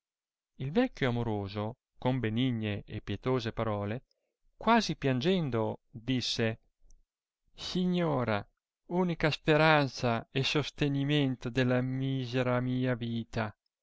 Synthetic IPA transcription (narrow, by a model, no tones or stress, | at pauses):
ilvɛkʲːjoamoɾoːzo | kombeniɲːeʔḛpːjet̪oːzepaɾɔːle | kwaːzipjand͡ʒɛnd̪od̪isːe | siɲːoːɾa | uːnikaspeɾant̪saesost̪eniment̪od̪elːamiːzeɾamiːaviːt̪a